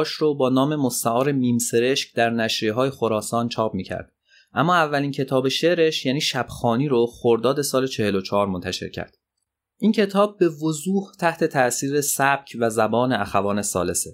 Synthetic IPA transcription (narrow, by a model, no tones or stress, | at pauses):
ʃɾobɒːnɒːme̞most̪æʔɒːɾe̞miːmse̞ɾe̞ʃkd̪æɾnæʃɾiːeɦɒːjexoɾɒːsɒːnt͡ʃʰɒːp̚miːcʰæ̰ɾd̪̥ | ʔæmːɒːævːælincʰe̞t̪ʰɒːbeʃeʔɾe̞ʃjæːniːʃæb̥xɒːniːɾoχoɾd̪ɒːd̪e̞sɒːlet͡ʃʰe̞helot͡ʃʰɒːɾmo̞nt̪ʰæʃe̞ɾcʰæ̰ɾd̪̥ | ʔiːncʰe̞t̪ʰɒːb̚ːe̞vozuːht̪ʰæht̪ʰe̞t̪ʰæʔsiːɾe̞sæb̥̚cʰvæzæbɒːne̞æxævɒːne̞sɒ̰ːle̞se